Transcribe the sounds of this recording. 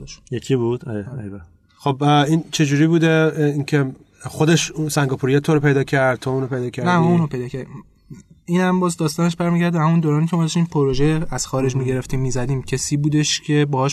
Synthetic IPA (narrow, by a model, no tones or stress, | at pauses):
ʃjekʲʰibud̪̥ɒ̰ɾeɾbæ | xobint͡ʃʰe̞d͡ʒuːɾibuːd̪eiŋcʰe | xod̪e̞ʃusæŋɡɒːpʰuɾijɑt̪ʰoɾopʰe̞jd̪ɒːcʰæɾd̪̚t̪ʰouːnopʰe̞jd̪ɒːcʰæɾnæmɔuːnopʰe̞jd̪ɒːcʰæɾd̪im | iːnhæmbɒːzd̪ɒːst̪ɒːne̞ʃbæɾmiːɟæɾd̪æhæmund̪oːɾɒːniːcʰemɒːd̪ɒʃt̪iːmpʰoɾoʒeæz̥xɒːɾe̞d͡ʒmiɟe̞ɾe̞ft̪iːmːiːzæd̪iːmcʰesiːbuːd̪e̞ʃcʰe̞bɒːhɒːʃ